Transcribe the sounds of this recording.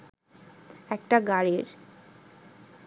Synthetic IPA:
ɛk̚ʈaɡaɾiɾ

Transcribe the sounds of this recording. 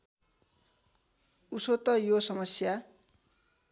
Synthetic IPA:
usot̪ʌjosʌmʌsja

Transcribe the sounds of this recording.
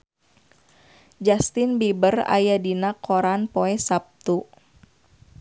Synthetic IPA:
d͡ʒast̪ɪnbibəra̰jadinakʰoɾanpoɛsap̚t̪u

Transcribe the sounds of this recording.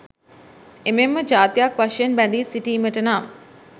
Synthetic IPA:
ememːəd͡ʒaːt̪ijakʋaʃəjənbænd̪iːsiʈiːməʈənaːm

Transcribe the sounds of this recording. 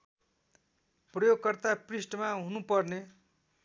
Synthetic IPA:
prʌjoɡkʌrt̪aprisʈʌmaɦunupʌrne

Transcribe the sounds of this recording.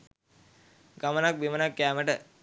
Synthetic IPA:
ɡɐmənak̚bimənakːaːməʈə

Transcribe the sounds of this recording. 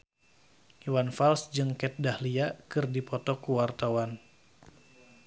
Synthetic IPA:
uwanfalsd͡ʒɨŋkɛt̪̚dahliakɨrdipɔt̪ɔkuwart̪awan

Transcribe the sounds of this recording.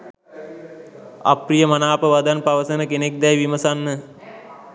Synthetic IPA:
a̰prijəmanaːpəʋad̪anpaʋəsənəkenek̚d̪ɛjʋiməsanːə

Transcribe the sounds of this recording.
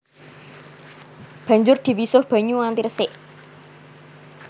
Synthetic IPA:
b̥a̤ɲd͡ʒʊrd̪̥i̤wisʊhb̥a̤ɲuant̪irəsɪʔ

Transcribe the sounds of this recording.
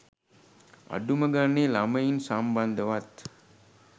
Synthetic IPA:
ɐ̰ɖumɐɡanːeːlamɐjinsambɐnd̪əʋat̪

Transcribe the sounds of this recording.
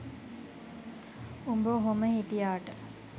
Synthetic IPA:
umbəɦoməhiʈijaːʈə

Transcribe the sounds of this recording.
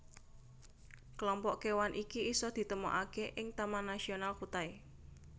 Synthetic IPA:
kəlɔmpɔʔkewanʔikiisɔd̪̥i̤t̪əmɔ̰ʔakeʔɪŋt̪amanasionalkut̪ae

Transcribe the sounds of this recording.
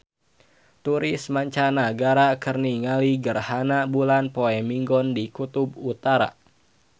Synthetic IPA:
t̪uɾɪsmaɲt͡ʃanaɡaɾakərniŋaliɡərhanabulanpoɛmiŋɡɔndikut̪ubut̪aɾa̰

